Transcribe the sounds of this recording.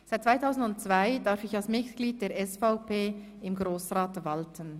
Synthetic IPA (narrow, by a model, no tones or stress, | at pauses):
saɪt̚t͡sːvaɪtʰaʊzn̩dʊnt̚t͡sv̥aɪdaɾfɪçɑlsmɪtɡ̥liːd̚d̥eːɐɾʔɛsfaʊpʰeː | ɪmɡʁoːsʁaːtvaltʰən